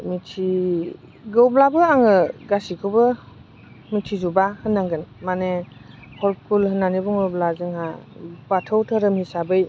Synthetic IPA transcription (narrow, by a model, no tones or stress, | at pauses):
mitʰi | ɡɯwblabɯaŋɯɡasikʰɯbɯ | mitʰizubahɯnːaŋɡɯnmane | hɔɾkʰulhɯnːanibɔŋɯwblazɯŋhabatʰɯwtʰɯɾɯmhisabɯj